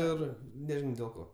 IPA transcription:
ˈɪr nʲɛˈʒʲɪnɐʊ dʲeːlˠ ˈkoː

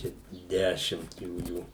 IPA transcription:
ˈt͡ʃʲɛ ˈdʲæːʃʲɪmt ˈjuːjuː

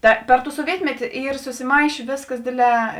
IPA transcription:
tɐ ˈpʲɛr ˌtuː suɔˈʋʲiɛtʲmʲɛtʲɪ ˈiːr sʊsʲɪˈmɐɪʃʲeː ˈʋʲeːsˌkɐs ˈdʲeːdʲˌlʲɛː

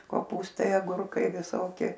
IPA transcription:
koːˈpuːstɐɪ ɐˈɡʊrkɐɪ ʋʲɪˈsoːkʲɪ

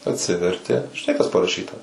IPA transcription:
ɐtʲˈsʲɪʋʲɛrʲtʲɪ ʒʲɪˈnɐɪ kɐs pɐrɐˈʃʲiːtɐ

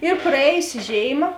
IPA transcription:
ɪr prɐˈeːjʊsʲɪˈʒʲeːɪˌmɐ

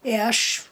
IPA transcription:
ɪ ˈɐʃ

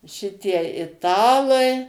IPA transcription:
ˈʃʲɪtʲiɛ ɪˈtɑːlˠɐɪ

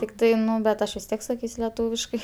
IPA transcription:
tʲɪkˈtɐɪ ˈnʊ bʲɛt ˈɐʃ ʋʲɪs ˈtʲiɛk sɐˈkʲiːsʲ lʲɛˈtuːʋʲɪʃkɐɪ

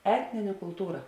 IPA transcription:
ˈæːtʲnʲɪnʲɛ kʊlˠˈtuːrɐ

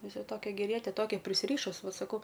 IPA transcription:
ˈʋʲɪsɐ ˈtoːkʲɛ ɡʲɛˈrʲiɛtʲɛ ˈtoːkʲɛ pʲrʲɪsʲˈrʲiːʃʊs ˈʋɐ sɐˈkɐʊ

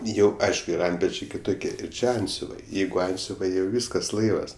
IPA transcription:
ˈjɛʊ ˈɐɪʃkʊ ɪr ˈɐnʲtʲpʲɛt͡ʃʲɛɪ kʲɪˈtʊkʲiɛ ˈɪr ˈt͡ʃʲɪ ˈɐnʲtʲsʲʊʋɐɪ ˈjɛɪɡʊ ˈɐnʲtʲsʲʊʋɐɪ jɛʊ ˈʋʲiːskɐs ˈlˠɐɪʋɐs

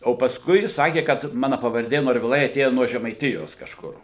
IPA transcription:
oː pɐsˈkʊɪ jɪs ˈsɑːkʲeː kɐt ˈmɑːnɐ pɐʋɐrʲˈdʲeː noːrʲʋʲɪˈlˠɐɪ ɐˈtʲeːjɛ nuɔ ʒʲɛmɐɪˈtʲɪjoːs kɐʃˈkʊr

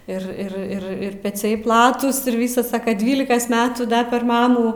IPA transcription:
ɪr ˈɪr ˈɪr ɪr pʲɛˈt͡sʲɛɪ ˈplˠɑːtuːs ɪr ˈʋʲiːsɐs ˈsɑːkɐ ˈdʲʋʲiːlʲɪkɐs ˈmʲæːtuː dɐ pʲɛr ˈmɑːmuː

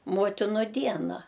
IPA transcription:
ˈmoːtʲɪnʊ ˈdʲiɛnɐ

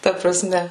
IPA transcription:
ˈtɐ prɐˈsʲmʲɛ

